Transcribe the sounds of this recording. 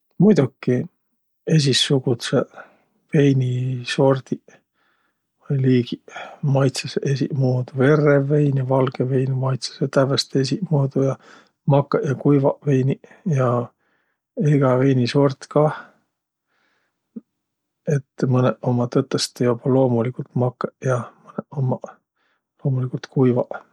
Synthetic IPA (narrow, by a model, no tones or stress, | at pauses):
mujd̪ukːˑi | e̞s̬ʲisːuɡut̪se | ve̞jniso̞rd̪̥i | vɤjliːɡimɑjt̪sɑseʔesimoːd̪̥uve̞rːeve̞jnivɑlɡ̥eve̞jnimɑjt̪sɑ̥set̪ævæst̪esimoːd̪ujɑ | mɑkːɑʔjɑkujvɑʔve̞jni | jɑ | iɡ̥ɑve̞jniso̞rt̪kɑ | e̞t̪ːmɤneʔo̞mɑt̪ɤt̪ˑːest̪ejubɑlo̞ːmulikult̪mɑkːeʔjɑmɤneʔomɑ | lo̞ːmulikult̪kujvɑʔ